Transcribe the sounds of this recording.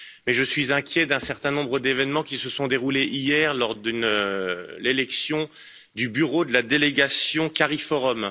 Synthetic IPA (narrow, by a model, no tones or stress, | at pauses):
mɛʒəsɥizɛ̃kʲjɛd̪ɛ̃sɛʁt̪ɛ̃nɔ̃bʁəd̪evɛnmɑ̃kʲisəsɔ̃d̪eʁuleʔijɛʁlɔʁd̪ynølelɛksjɔ̃ | d̪ybyʁod̪əlad̪eleɡasjɔ̃kaʁifɔʁɔm